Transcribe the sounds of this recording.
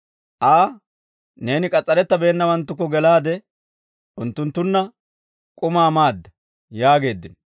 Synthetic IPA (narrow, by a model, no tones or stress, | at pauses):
ʔaː | ne̞ːnɪkʼɐt͡sʼːɐɾɛt̪ːɐbe̞ːnːɐwɐnt̪ːʊkːɔɡɛlaːd̪ɛ | ʔʊnt̪ːʊnt̪ːʊnːɐ | kʼʊmaːmaːd̪ːɐ | jaːɡe̞ːd̪ːɪn